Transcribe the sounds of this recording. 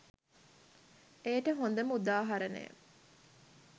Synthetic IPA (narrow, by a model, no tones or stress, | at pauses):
eːʈəɦond̪əmud̪aːɦɐɾɐnḛ